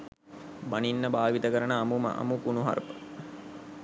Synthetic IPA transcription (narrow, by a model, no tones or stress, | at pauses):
baninːəbaːʋit̪əkəɾənəːmum̰ʔa̰mukunuɦa̰ɾpə̥